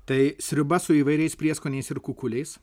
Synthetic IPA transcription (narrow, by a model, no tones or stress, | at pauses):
t̪ɐɪsʲɾʲɪbɐsʊiːʋɐɪɾʲɛɪspʲɾʲiɛskoːnʲɛɪsɪɾkʊkʊlʲɛɪs